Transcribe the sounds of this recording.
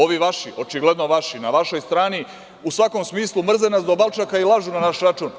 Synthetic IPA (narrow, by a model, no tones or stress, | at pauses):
o̞ʋiʋaʃiʔo̞t͡ʃiɡle̞d̪no̞ʋaʃinaʋaʃo̞jst̪ɾaːni | usʋako̞msmiːslˠumr̩zenasd̪obalˠt͡ʃakailˠaʒunanaʃɾat͡ʃuːn